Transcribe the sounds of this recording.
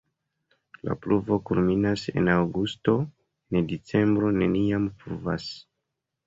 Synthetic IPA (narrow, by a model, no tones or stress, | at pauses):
la̰pluvo̞kulminase̞̰nawɡusto̞ | nedit͡se̞mbɾo̞ne̞niampɾuva̰s